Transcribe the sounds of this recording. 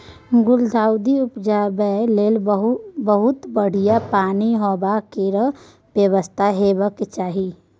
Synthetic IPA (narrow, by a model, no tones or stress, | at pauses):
ɡʊld̪ʱaːwd̪iʊpd͡ʒaːbəleːlɦbəɦʊt̪bəɽ̤ijapaːniɦobakeɾə | bjəwəst̪ʰaɦebəket͡ʃaːɦi